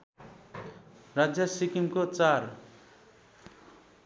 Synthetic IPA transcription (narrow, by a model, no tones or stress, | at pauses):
rad͡zjʌsikimkot͡sar